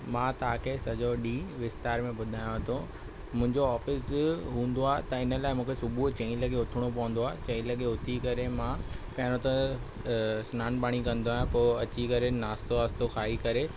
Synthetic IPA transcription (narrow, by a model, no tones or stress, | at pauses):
mãːt̪ɐakʰesɐd͡ʑoɗiːʋɪst̪aːɾmẽbʊd̪ʱaːjõɦɐt̪ʰõ | mʊ̃ɦɪ̃ɲd͡ʑoaːfɪsɦũːn̆d̪oaːɦt̪ɐɪnə̆laːɪmũːkʰesʊbʱut͡ɕɐ̃ĩlɐɡeʊt̪ʰɪɽ̃opɐ̃ʋʊ̃nd̪oaːt͡ɕɐ̃ĩlɐɡeʊt̪ʰikɐɾemãpɐɦɾ̃õt̪ɐ̃ | sʊnaːnbaːɽ̃ikɐ̃nd̪oaːjãpoːɐt͡ɕikɐɾenaːst̪oaːst̪oxʰaːikɐɾe